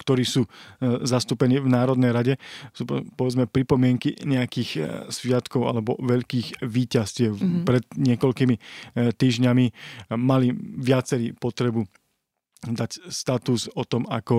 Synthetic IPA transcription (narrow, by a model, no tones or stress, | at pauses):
kt̪ɔɾiːsuːzast̪uːpɛniːvnaːɾɔd̪nɛjɾaɟɛsuːpɔʋɛd͡zmɛpɾipɔmɪɛŋkiɲɛakiːxsʋɪat̪kɔʊa̰lɛbɔʋɛʎkiːɣʋiːcascɪɛpɾɛt̪ɲɪɛkɔʎkimit̪ːiːʒɲamimaliʋɪat͡sɛɾiːpɔt̪ɾɛbu | d̪acst̪at̪uzɔt̪ɔmakɔ